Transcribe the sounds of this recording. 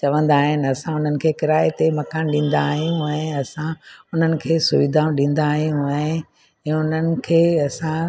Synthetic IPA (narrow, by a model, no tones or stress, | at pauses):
t͡ɕɐʋə̃nd̪aːɦɪnɪ̆ɐsãʊn̤ənɪ̆kʰeːkɪɾaːet̪emɐkaːnɗĩːn̆d̪aːɦijũɛ̃ɐsãʊn̤ənɪ̆kʰeːsʊʋɪd̪ʱãːɗĩːn̆d̪aːɦijũɛ̃ɦɪ̃ | ɛ̃ːʊn̤ənɪ̆kʰeːɐsã